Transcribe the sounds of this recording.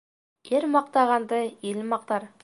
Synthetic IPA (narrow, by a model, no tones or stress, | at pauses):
eɾmɑq̚t̪ɑʁɑnd̪əelmɑq̚t̪ɑɾ